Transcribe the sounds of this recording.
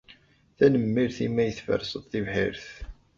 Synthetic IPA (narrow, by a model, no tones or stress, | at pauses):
θænəmːiɾθimːæjəθfə̰ɾsəðˤθivħiɾθ